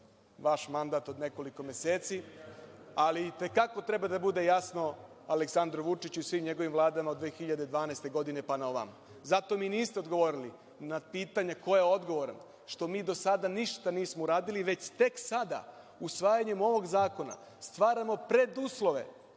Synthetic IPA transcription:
ʋaʃmand̪at̪o̞d̪ne̞ko̞liko̞mese̞ːt̪si | alit̪e̞kako̞t̪ɾe̞bad̪abud̪e̞jasno̞ | aleksand̪ɾoʋut͡ʃit͡ɕuisʋiːmɲe̞ɡo̞ʋimʋlˠaːd̪amaod̪ʋeːxiʎad̪ed̪ʋaːnaest̪e̞ɡo̞d̪ine̞panaoʋa̰m | zat̪o̞miːniːst̪eod̪ɡo̞ʋoɾili | napiːt̪aɲako̞jeo̞d̪ɡo̞ʋo̞ɾan | ʃt̪o̞miːd̪o̞sad̪aniʃt̪aniːsmouɾaːd̪iliʋe̞t͡ɕt̪e̞ksad̪a̰ | usʋaːjaɲe̞mo̞ʋo̞ɡzaːko̞na̰ | st̪ʋaːɾamo̞pɾe̞d̪uːslo̞ʋe̞̰

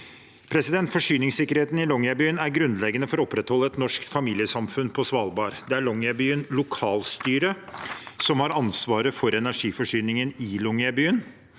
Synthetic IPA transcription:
pʰɾɛsɪd̪ɛnt̪fɔʂyːnɪŋsɪkːəɾheːt̪n̩ɪlɔŋæbyːənæɾɡɾʉnd̪lɛɡənəfɔɾɔɔpːɾɛt̪hɔlːəɛt̪nɔʂkt̪fɑmiːlɪəsɑmfʉnpʰɔsʋɑːlbɑːɾd̪ɛæɭɔŋəbyːənlʊkʰɑːlst̪yːɾəsɔmhɑɾɑnsʋɑːɾəfɔɾɛnæʂiːfɔʂyːnɪŋənɪlɔŋɑbyːən

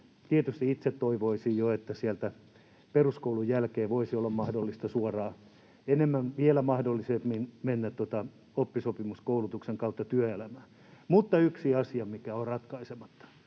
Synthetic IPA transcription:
t̪iet̪yst̪iit̪set̪toiʋoisijjoet̪ːæsiælt̪æ | peruskoulujjælkeːʋoisiolːɑmmɑhdolːist̪ɑsuorɑː | enemːænʋielæmɑhdolːisemminmenːæt̪tot̪ɑ | opːisopimuskoulut̪ukseŋkɑut̪ːɑt̪yøelæmæː | mut̪ːɑyksiɑsiɑmikæorɑt̪kɑisemɑt̪ːɑ̥

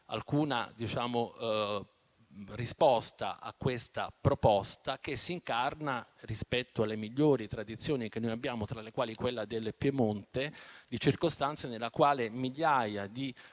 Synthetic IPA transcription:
a̰lkuːna̰d̪it͡ʃaːmo | rispɔst̪a̰ʔa̰kːwest̪apɾopɔst̪ak̟esːiːŋkarnarispɛt̪ːoalːemiʎːoːɾit̪ɾad̪it̪sːjoːnik̟enːojabːjaːmot̪ɾalekwaːlikwelːad̪elpjemont̪ed̪it͡ʃirkost̪ant̪sanelːakwaːlemiʎːaːjad̪i

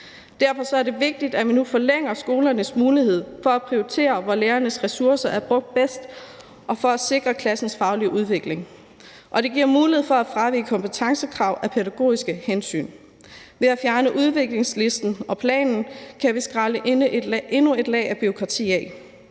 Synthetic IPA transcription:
d̥æɐfɒ̽sɒ̽æɐd̥e̝ʋe̝ɡ̥̚d̥id̥æʋinufɒleŋ̰ɐsɡ̥o̝ːlɐnəsmuːlihe̝ð̞̰ˠfɒ̽æpʰʁioit͡sʰe̝̰ːɐʋɒleːɐnəsʁɛsuɐsɐʔæɐb̥ʁɔ̽ɡ̥̚d̥̚b̥esd̥ | ʔɒ̽fɒ̽æse̝ɡ̥ʁɐkʰlæsn̩sfɑ̈ʊliʔuð̞ˠʋe̝ɡ̥le̝ŋ | ʔɒ̽d̥e̝ɡ̥iɐ̰muːlihe̝̰fɒ̽æfʁɑ̈ʋḭːkʰɒ̽mpət͡sʰɑ̈ŋsəkʰʁɑ̈ʊ̰ʔæpʰeɾæɡ̥o̝̰ːisɡ̥əhensy̰ːn | ʋe̝æfjæɐnəʔuð̞ˠʋe̝ɡ̥le̝ŋsle̝sd̥n̩ɒ̽pʰlɛ̰ːnn̩kʰæʋisɡ̥ʁɑ̈ləʔeʔe̝nue̝d̥lɛ̰ːɪæb̥iʁo̝kʰʁɑ̈t͡sʰḭːɛ

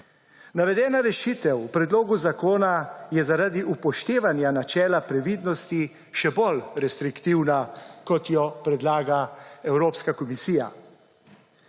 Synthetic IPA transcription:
naʋɛd̪ɛːnaɾɛʃiːt̪ɛwpɾɛd̪loːɡuzakoːnajɛzaɾad̪iʔupɔʃt̪eːʋanjanat͡ʃɛːlapɾɛʋid̪nɔst̪i | ʃɛbɔlɾɛst̪ɾikt̪iwnakɔt̪jɔpɾɛd̪laːɡaɛwɾoːpskakɔmisiːja̰

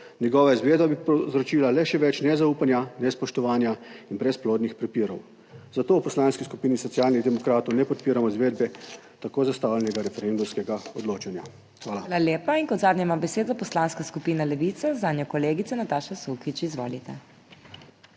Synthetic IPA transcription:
njɛɡɔːʋaizʋeːd̪babipɔzɾɔt͡ʃiːlalɛʃɛʋɛt͡ʃnɛzauːpanjanɛspɔʃt̪ɔʋaːnjainbɾɛsploːd̪nixpɾɛpiːɾɔ̰w | zat̪oːwpɔslaːnskiskupiːnisɔtsiaːlnid̪ɛmɔkɾaːt̪ɔwnɛpɔt̪̚piːɾamɔizʋeːd̪bɛ | t̪akoːzast̪aːwlɛnɛɡaɾɛfɛɾend̪umskɛɡaɔd̪loːt͡ʃanja | xʋaːlalaljeːpainkɔd̪zaːd̪nɲɛmabɛseːd̪apɔslaːnskaskupiːnalɛʋit̪sɛzaːd̪nʲjɔkɔleːɡit̪sɛnat̪aːʃasukit͡ʃizʋo̰ːlit̪ɛ

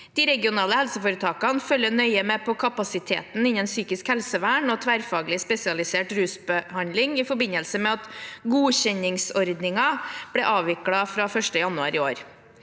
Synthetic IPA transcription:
d̪̥ɪːɾɛɡɪʊnɑːləhɛlsəfoːɾət̪ʰɑːkɑnfœlːənœʏəmepʰɔkʰɑpɑsɪt̪ʰḛːt̪n̩ɪnɛnsyːkɪskhɛlsəʋæːɳɔt̪ʰʋæːɾfɑːɡlɪspɛsɪɑlɪseːʈɾʉːsbəhɑnlɪŋɪfɔɾbɪnəlsəmɛɑt̪ɡuːçɛɲɪŋsɔɾd̪nɪŋɑb̥ɽɛʔɑːʋɪkɽɑfɾɑːfœʂʈəjɑnʉɑ̰ɾɪo̰ːɾ

